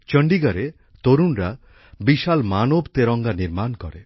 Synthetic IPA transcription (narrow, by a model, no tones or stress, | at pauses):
t͡ʃəɳɖiɡaɾe | t̪oɾunɾa | biʃalmanobt̪eɾɔŋɡaniɾmankɔɾe